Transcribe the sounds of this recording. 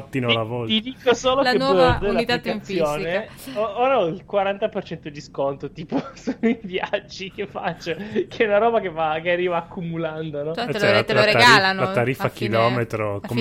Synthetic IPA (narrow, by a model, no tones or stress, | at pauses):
t̪ːinolavɔt̪id̪iːkosoːloeod̪elːak̪atk̪anmsjoːnne | ooːɾaɔilkwaɾant̪apert͡ʃɛnt̪od̪iskont̪ot̪iːposuivjad͡ʒːikefat͡ʃːokɛunaɾɔːbakevakearːiːvaːkʰːumuland̪onɔɛat̪oɾeaɡaɾilanat̪ːaɾifakilɔːmet̪ɾokom